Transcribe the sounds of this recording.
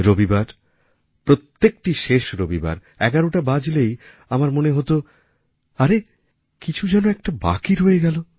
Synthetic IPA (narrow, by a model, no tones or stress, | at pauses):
ɾobibaɾ | pɾot̪ːek̚ʈiʃeʃɾobiba̰ɾ | ɛɡaɾoʈabad͡ʑlej | amaɾmoneɦot̪o | aɾe | kit͡ɕʰud͡ʑɛnoɛk̚ʈaba̰kiɾɦojeɡɛlo